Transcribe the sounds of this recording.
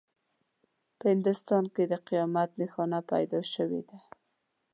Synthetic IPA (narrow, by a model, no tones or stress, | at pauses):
pəhɪnd̪ʊst̪ɑnked̪əqijɑmat̪nexɑnapa̰jd̪ɑʃəwḛd̪a